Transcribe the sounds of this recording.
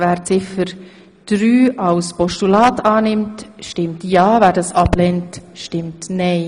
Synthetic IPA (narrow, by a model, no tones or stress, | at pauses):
væːɾt͡sɪfəɾ | d̥ɾyːʔalspɔʃtulaːtʰɑːnɪmtʃtɪmtjɑːvæːɾdɑsɑblɛntʃtɪmtnɛɪ